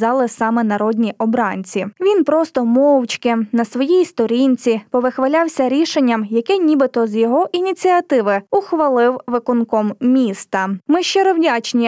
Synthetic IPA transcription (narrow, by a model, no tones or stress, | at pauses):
ɑlˠɪsɑmɛnɐɾɔd̪ʲnʲiʔɔbɾɑnʲt͡sʲiʋʲinpɾɔst̪ɔmɔwt͡ʃkɪnɐsʋɔjijst̪ɔɾʲinʲt͡sʲipɔʋɪxʋɐlʲɑwsʲɐɾʲiʃenʲːɐmjɐkɛnʲibɪt̪ɔzjɔɦɔʔinʲit͡sʲiɐt̪ɪʋɪʊxʋɐlˠɪwʋɪkʊnkɔmmʲist̪ɐmɪʃt͡ʃɪɾɔwdʲɑt͡ʃnʲi